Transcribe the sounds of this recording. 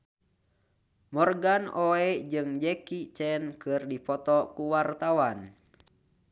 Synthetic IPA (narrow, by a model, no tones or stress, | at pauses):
mɔrɡanɔɛd͡ʒɨŋd͡ʒɛkit͡ʃɛnkɨrdipɔt̪ɔkuwart̪awan